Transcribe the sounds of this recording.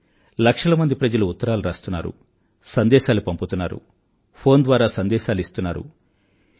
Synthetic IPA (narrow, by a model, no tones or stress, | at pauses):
lɐkʂɐlɐmɐnd̪ipɾɐd͡ʒɐluːt̪ːɐɾaːluɾaːst̪unːa̰ːɾṵ | sɐnd̪ɛːʃaːlupɐmput̪unːaːɾṵ | pʰo̞ːnd̪ʋaːɾaːsɐnd̪ɛːʃaːluist̪unːaːɾṵ